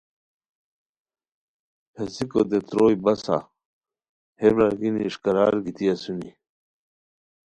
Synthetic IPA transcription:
hesikod̪et̪ɾoːjbɐsa̰ | hebɾaɡiniːʂkɐɾaːɾɡit̪ijasuni

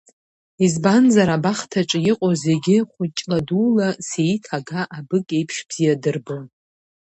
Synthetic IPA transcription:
izbanzaɾabaχtʰaʈ͡ʂʼjɪqʼoze̞ɡʲɪχʷʊt͡ʃʼladuːlasejtʰaɡaʔabɨkʲʼe̞jpʰʂb̥z̥ijadɨrbon

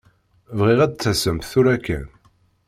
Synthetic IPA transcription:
vʁiʁæd̪t͡sːæsəmθʊɾækːæ̰n

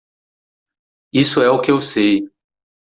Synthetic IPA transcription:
isʊɛʊkɪewsej

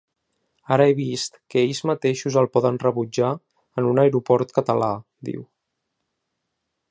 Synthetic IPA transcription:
aɾəeβist̪kəeʎzmət̪eʃuzəlˠpɔðənrəβud͡ʒa | ənunəjɾupɔɾt̪kət̪əla | d̪ḭw

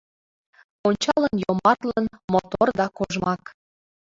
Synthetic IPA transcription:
onʲt͡ɕɑlənjomɑt̪lənmot̪ord̪ɑkoʒmɑk

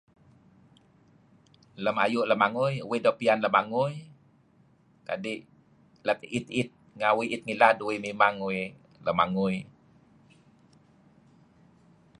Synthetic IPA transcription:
ləma̰juʔləmaŋujuwidɔpianləmaŋuj | ka̰diʔ | ləkit̪it̪̚ | ŋawiʔit̪̚ŋiladuwimimaŋuwi | ləma̰ŋuj

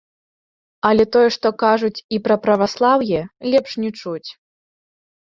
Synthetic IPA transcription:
ɐlʲɛt̪ɔjɛʂt̪ɔkaʐut͡sʲipɾɐpɾɐvaslˠawjɛlʲɛpʂnʲɛt͡ʂut͡sʲ

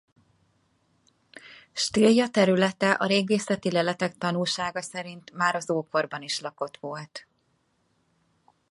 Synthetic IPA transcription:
ʃt̪iljɒt̪ɛɾylɛt̪ɛʔɒɾeːɡeːsɛt̪ilɛlɛt̪ɛkt̪ɒnulʃaːɡɒsɛɾint̪maːɾɒzoːko̞rbɒniʃlɒko̞t̪ʋolt̪

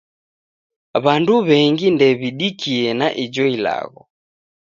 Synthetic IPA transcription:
βanduβɛŋɡindɛβiɗikiɛnaʔid͡ʒɔila̰ɣɔ

